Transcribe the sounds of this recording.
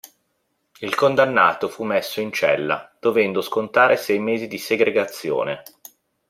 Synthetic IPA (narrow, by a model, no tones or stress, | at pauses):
ilkond̪anːa̰ːt̪ofumːɛsːoint͡ʃɛ̰lːa̰d̪̥ovɛnd̪oskont̪aːɾesɛjmeːzid̪iseɡɾeɡat̪sːjo̰ːne